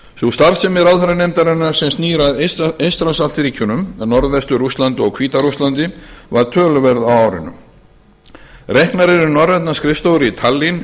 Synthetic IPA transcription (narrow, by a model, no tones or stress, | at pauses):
θust̪aɾsɛmɛɾawðθɛɾanemt̪aɾɛnːaɾ̥sɛmst̪niːɾaðest̪ɾasalt̪ɾiːcʰʏnʏmnɔɾðɛst̪ʏɾust̪lant̪ʏɔɣkʰviːt̪aɾust̪lant̪ɪvaɾ̥t̪ʰœːlʏvɛɾðawaːwɾɪ̰nːʏ̰m | rɛhknaɾɛɾʏnɔrɛt̪naskɾɪfst̪owɾɪit̪ʰalːin